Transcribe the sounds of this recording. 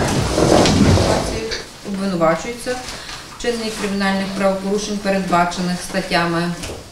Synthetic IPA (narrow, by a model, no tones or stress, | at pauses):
t̪ɑt͡sʲiji | ɔbʋɪnʊʋɑt͡ʃʊjʊt͡sʲːɐ | t͡ʃɪnːikɾɪmʲinɑlʲnɪxpɾɐʋɔpɔɾuʃenʲpeɾed̪bɑt͡ʃenɪxst̪ɐtʲːamɪ